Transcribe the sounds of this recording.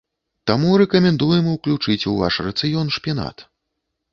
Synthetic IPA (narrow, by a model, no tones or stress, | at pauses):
t̪amuɾɛkɐmʲɛnd̪ujɛmwklʲut͡ʂɨt͡sʲuva̰ʂrɐt̪sɨjɔnʂpʲjana̰t̪